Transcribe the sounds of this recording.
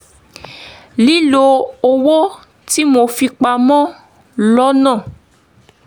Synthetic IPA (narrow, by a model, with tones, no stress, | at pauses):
li˦lo˧o˧wo˦ | ti˦mo˧fi˧k͡pa˧mɔ̃˦ | lɔ˦nã˦˨